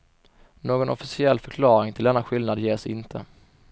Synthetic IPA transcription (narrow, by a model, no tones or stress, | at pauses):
noːɡɔnɔfɪsɪɛlːfœɾkʰlɑːɾɪŋt̪ʰɪld̪ɛnːaɧɪlnad̪jeːʂɪnt̪ʰə